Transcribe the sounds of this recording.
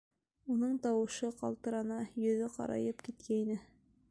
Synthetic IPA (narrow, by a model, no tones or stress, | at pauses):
unɤɴt̪ɑwɤ̆ʃɤqɑ̰lˠt̪ɤ̆ɾɑnɑjɵ̆ðɘqɑ̰ɾɑ̰jɤpkit̪kæinɘ